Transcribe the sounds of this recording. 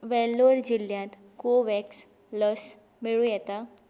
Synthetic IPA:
ʋɛlːoɾd͡ʑiljãt̪ | koʋɛks | lɔs | miɭũjɛt̪a

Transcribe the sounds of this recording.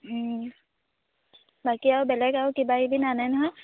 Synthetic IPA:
bakiawbɛlɛɡawkibaibʱinanajnɦɔ̃

